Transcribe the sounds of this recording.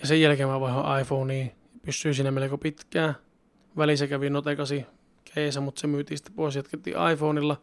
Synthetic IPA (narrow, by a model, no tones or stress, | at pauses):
jɑsejjælkemːæʋɑhɑʔɑifoːniː | pysːyːsiːnæmelkopit̪kæː | ʋælisækæʋinot̪ekɑsi | kʰeːsæmut̪semyːt̪iːsi̥t̪ːe̥poˑisjæt̪ket̪ːḭːʔɑ̰ifoːnilːɑ